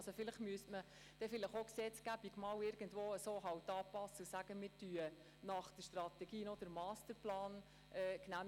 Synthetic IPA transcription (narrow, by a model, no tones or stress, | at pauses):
sofɪləχmyəstmə | d̥ɛfɪləχoksɛt͡sɡ̥æb̥iɡ̥mɑwɪɾɡ̥əndʋoːəsoːɦɑwtɑːpɑsːəusæɡ̥əmɪːɾtyːə | nɑχd̥əʃtrɑt̪ɛɡiːnod̥əɾmɑːstəɾplɑːn | ʔɛːknæm